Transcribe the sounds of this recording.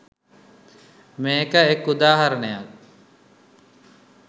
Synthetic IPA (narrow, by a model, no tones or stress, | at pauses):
meːkəekːud̪aːɦaɾɐnejak